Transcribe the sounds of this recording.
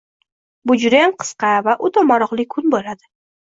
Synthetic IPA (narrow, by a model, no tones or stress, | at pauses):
bʊd͡ʒɾanqʰɨ̥sqɑvaʔʊt̪ʰɒmɒɾɒqlˠɪkʰʊnbolad̪ɪ